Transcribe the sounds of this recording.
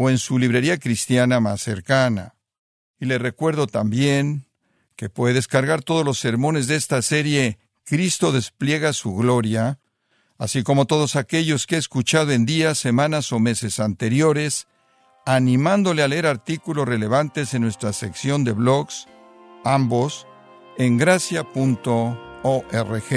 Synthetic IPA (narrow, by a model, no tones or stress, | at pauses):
oe̞nsuliβ̞ɾe̞ɾiakɾist̪janama̰sːe̞̰ɾkana̰ | ile̞rekwe̞ɾðo̞t̪ambje̞ŋ | ke̞pweðeðe̞skaɾɣaɾt̪o̞ð̞o̞zlo̞sːe̞ɾmõ̞ne̞zðest̪ase̞ɾje̞ | kɾist̪o̞ðe̞splje̞ɣasuɣlo̞ɾja | asiko̞mo̞t̪o̞ðo̞sake̞ʝo̞skeːskut͡ʃað̞oe̞nd̪iasːe̞mãnaso̞me̞se̞sant̪e̞ɾjo̞ɾe̞s | anĩmand̪o̞le̞ale̞eɾaɾt̪ikulo̞sre̞le̞β̞ant̪e̞se̞nːwe̞st̪ɾase̞ksjo̞nd̪e̞βlo̞ɣs | ambo̞s | e̞ŋɡɾasjapunt̪o̞oʔerexe